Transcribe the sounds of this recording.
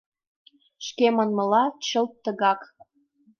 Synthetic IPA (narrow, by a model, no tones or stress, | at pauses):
ʃkemənmɤ̆lɑt͡ɕəlt̪ːə̆ɣɑk